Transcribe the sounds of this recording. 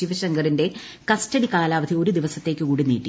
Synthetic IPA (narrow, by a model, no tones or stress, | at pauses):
iʋɐɕɐŋɡɐrinde̞ | kɐstɐɽikaːlaːʋɐd̪ʱio̞ɾud̪iʋɐsɐt̪ːe̞ːkːɨkuːɽinːḭːʈːi